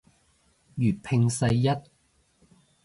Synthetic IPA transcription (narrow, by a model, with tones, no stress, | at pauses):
jyː˨˩t̚pʰɪ˧ŋsɐ˧jːɐ˥t̚